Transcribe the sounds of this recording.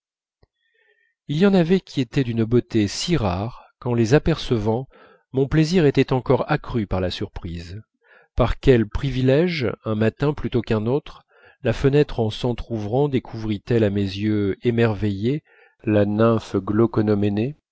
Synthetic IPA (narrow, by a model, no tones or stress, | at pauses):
iljɑ̃navɛkʲʰiet̪ɛd̪ynbot̪esiʁaʁkɑ̃lezapɛʁsəvɑ̃ | mɔ̃pleziʁet̪ɛt̪ɑ̃kɔʁakχypaʁlasyʁpχiz | paʁkʲɛlpχivilɛʒɛ̃mat̪ɛ̃plyt̪okɛ̃not̪χ | lafənɛt̪χɑ̃sɑ̃t̪χuvʁɑ̃d̪ekʰuvʁit̪ɛlamezjøemɛʁveje | lanɛ̃fɡlɔkɔnɔmene